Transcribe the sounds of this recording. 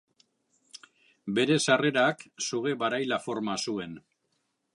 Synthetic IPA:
be̞ɾe̞sare̞ɾaksuɣe̞βaɾajlafo̞ɾmasue̞n

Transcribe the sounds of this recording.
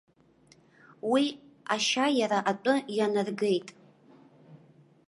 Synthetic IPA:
wiaʃajaɾaʔatʷʼʊjanɨrɡe̞jtʼ

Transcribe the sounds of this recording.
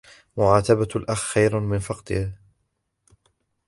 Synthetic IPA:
mʊʕaːt̪abalʔaxxajɾmɪnfɑqt̪ˤɨh

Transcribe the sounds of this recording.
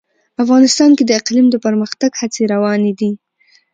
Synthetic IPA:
afɣɑnɪst̪ɑnked̪əɪqlimd̪əpəɾməxt̪aɡhat͡seɾawɑned̪i

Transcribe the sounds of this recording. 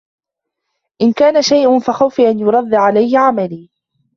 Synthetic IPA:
ʔɪnkaːnaʃajʔʊnfaxawfiʔanjʊɾˤɑðˤːaʕalajːʕamaliː

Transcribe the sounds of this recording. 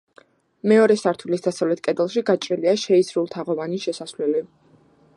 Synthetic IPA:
mɛɔɾɛsaɾt̪ʰulisd̪asavlɛt̪̚ʰkʼɛd̪ɛlˠʃiɡat͡ʃʼɾiliaʃɛisɾulˠt̪ʰaʁɔvaniʃɛsaslɛli

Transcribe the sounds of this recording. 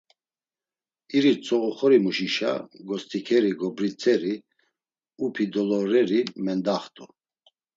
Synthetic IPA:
iɾit͡sʰʼɔɣɔχɔɾimuʃiʃa̰ɡɔst̪ʰʼikʰɛɾiɡɔbɾit͡sʰʼɛɾi | upʰid̪ɔlɔɾɛɾimɛnd̪aχt̪ʰʼu

